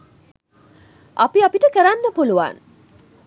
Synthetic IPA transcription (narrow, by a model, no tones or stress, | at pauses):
apiapiʈəkeɾanːəpuluʋa̰n